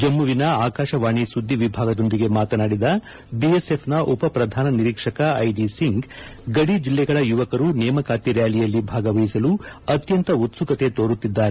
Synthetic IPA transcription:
d͡ʒɐmːuʋinɐaːkaːʃɐʋaːɳisud̪ʱːiʋibʱaːɡɐd̪o̞nd̪iɡe̞maːt̪ɐnaːɽid̪ɐ | biesepʰnɐʔupɐpɾɐd̪ʱaːnɐniɾiːkʂɐkɐɐjɖisiŋɡɡɐɽid͡ʒilːɛɡɐɭɐjuʋɐkɐɾunɛːmɐkaːt̪iɾjaːlijɐlːibʱaːɡɐʋɐjisɐluɐt̪jɐnt̪ɐut̪sukɐt̪e̞t̪oːɾut̪ːid̪ːaːɾe

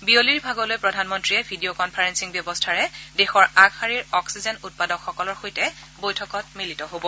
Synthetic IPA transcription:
bioliɹbʱaɡɔlojpɹɔdʱanmɔntɹijɛbʱidiokɔnpʰaɹensiŋbjɔbɔstʰaɹɛdɛxɔɹaɡxaɹiɹɔksizɛnut̚padɔkxɔkɔlɔɹxojtɛ | bojtʰɔkɔt̚militɔɦobɔ

